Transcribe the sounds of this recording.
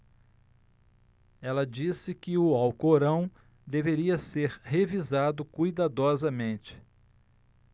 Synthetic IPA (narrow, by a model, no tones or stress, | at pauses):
ɛlɐd͡ʒisɪkɪʊawkoɾɐ̃w̃ | d̪eveɾiɐseɾɦevizad̪ʊkujd̪ad̪ɔzɐmẽt͡ʃɪ̥